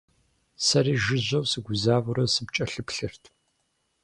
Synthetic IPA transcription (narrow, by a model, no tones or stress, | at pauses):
sɐɾiːʒɪʑʷɐwsɨɡʷʊzaːvʊɾɐsɨp̚t͡ʃʼɐɬɨpɬɨrtʰ